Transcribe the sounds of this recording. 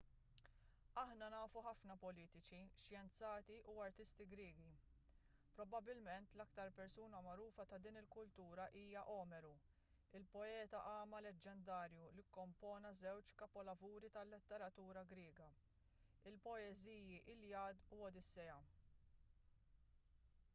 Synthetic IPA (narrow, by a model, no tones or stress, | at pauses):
ɐħnɐnɐːfuħɐfnɐpɔliːt̪ɪt͡ʃiʃjɛnt͡sɐːt̪iʔuɐɾt̪ɪst̪iɡɾɪːɡi | pɾɔbɐbɪlmɛnt̪lɐkt̪ɐɾpɛɾsuːnɐmɐɾuːfɐt̪ɐd̪iːnɪlkʊlt̪uːɾɐʔiːjɐʔɔːmɛɾu | ɪlpɔɛːt̪ɐʔɐːmɐlɛd͡ʒːɛnd̪ɐːɾjulikːɔmpɔːnɐzɛwt͡ʃkɐpɔlɐvuːɾit̪ɐlːɪt̪ːɛɾɐt̪uːɾɐɡɾɪːɡɐ | ɪlpɔɛziːjiʔɪlːiɐːd̪uɔd̪ɪsːɛjɐ